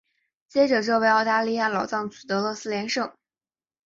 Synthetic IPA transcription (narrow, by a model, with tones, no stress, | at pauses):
t͡ɕjɛ˥ʈ͡ʂɤ˨˩ʈ͡ʂɤ˥˧we˥˧ɪɑ˥˧ʊt̪a˥˧li˥˧ja˥˩lɑ˨˩ʊt͡sɑ˥˩ŋt͡su˨˩t̪ɤ˧˥lwɔ˧˥sɹ̩˥ljɛ˧˥nʂɤ˥˩ŋ